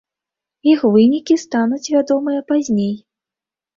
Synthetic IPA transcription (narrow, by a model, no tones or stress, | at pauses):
ixvɨnʲikʲist̪anut͡sʲvʲad̪ɔmɨjɐpazʲnʲej